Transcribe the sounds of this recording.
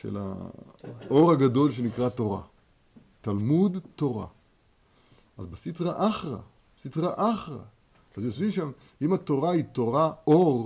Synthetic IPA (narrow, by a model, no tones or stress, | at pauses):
ʃḛla̰ | o̞ʁaɡado̞lʃe̞nikʁat̪o̞ʁa̰ | t̪almud̪to̞ʁa̰ | azbesitʁaʔaχʁa̰ | sitʁaʔaχʁa̰ | azesvimʃam | imat̪o̞ʁait̪o̞ʁaʔoʁ